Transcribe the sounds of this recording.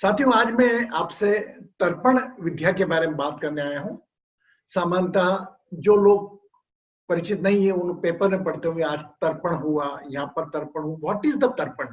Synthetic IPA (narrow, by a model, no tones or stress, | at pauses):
saːt̪ʰijũaːd͡ʒmẽaːpset̪ɐɾpəɽ̃ʋɪd̪ʱjakebaːɾemẽbaːt̪kɐɾneaːjeɦũː | saːmaːnt̪a | d͡ʒoːloːɡ̚ | pɐɾɪt͡ʃɪt̪nɐɦĩɦeʊnpeːpəɾmẽpɐɽ̤t̪eɦũkĩaːd͡ʒt̪ɐɾpəɽ̃ɦuajɐɦãpɐɾt̪ɐɾpəɽ̃ɦũʋɔːʈiːzd̪at̪ɐɾpəɳ̃